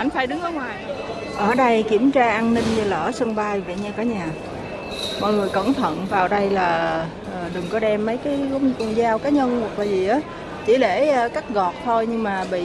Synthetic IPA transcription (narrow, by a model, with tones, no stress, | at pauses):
ʔa˧jŋ̟faː˧˩˦jɗɨ˨˦ŋʔəː˨˦ŋwaː˨˩j | ʔəː˧˩ɗə˧jki˧˩əmt͡ɕaː˧ʔaː˧nnï˧ŋ̟ɲɨ˧laː˨˩ʔə˨˦sə˧ŋɓaː˧jva̰˧˨ɲaː˧˩kaː˨˩˦ɲaː˨˩ | mɔ̰˧˨jŋɨ˨˩əjkə̰˧˩nt̪ʰə̰˧˨nvaː˨˩wɗə˧jlaː˨˩ | ʔəː˨˩ɗɨ˨˩ŋkɔ˨˦ɗɛ˧mːə˨˦jkaː˨˦jk̪ə˧nzaː˧wkaː˨˦ɲə˧nhwa˨˩k̚laː˨˩zi˨˩ʔaː˨˦ | t͡ɕḭ˧˩le˧˩˨kaː˦˥k̚ɣɔ˨˩t̚t̪ʰo˧jɲɨ˧ŋmaː˨˩ɓḭ˧˨